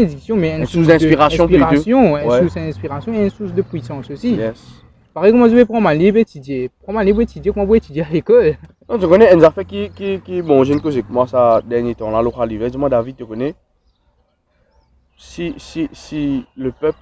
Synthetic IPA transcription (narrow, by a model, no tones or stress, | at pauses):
ned̪iksjɔ̃mɛɛ̃nsusd̪ɛ̃piʁassjɔ̃piʁasjɔ̃ɛ̃ɛsusɛ̃spiʁasjɔ̃eɛ̃nsusd̪əpwisɑ̃sosiɛ | paʁɛjkɔmãt̪ɛpχɑ̃mãlibʁet̪id̪jepχɑ̃mãlibet̪id̪jekɔmãbuet̪yd̪jealekɔl | nɔ̃t̪əkɔnɛɛ̃nzaʁfɛkikikimɑ̃ʒɛnkozaɛkmwasad̪ɛʁnjet̪ɑ̃laloʁalivɛsemwãd̪avid̪̚t̪əkɔnɛ | sisisiləpœp